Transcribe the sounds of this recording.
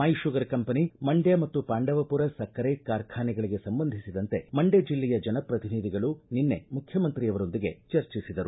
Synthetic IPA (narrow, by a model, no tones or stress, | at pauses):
aːjiʃuɡɐɾkɐmpɐnimɐɳɖjamɐt̪ːupaːɳɖɐʋɐpuɾɐsɐkʰːɐɾekaːɾkʰaːniɡɐɭiɡe̞sɐmbɐnd̪ʱisid̪ɐnt̪e̞mɐɳɖed͡ʒilːɛjɐd͡ʒɐnɐpɾɐt̪inid̪iɡɐɭuninːe̞mukʰjɐmɐnt̪ɾijɐʋɐɾo̞nd̪iɡe̞t͡ʃɐɾt͡ʃisid̪ɐɾu